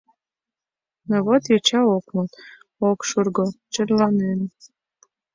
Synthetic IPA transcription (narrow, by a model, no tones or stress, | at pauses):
noβot̪jet͡ɕɑokmot̪ | okʃurɡot͡ɕə̆rlɑnen